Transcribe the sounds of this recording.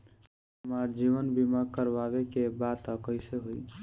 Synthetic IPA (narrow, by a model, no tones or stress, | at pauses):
ɦəmaɾd͡ʒiβənbimakəɾbaβekebat̪əkəɪseɦoj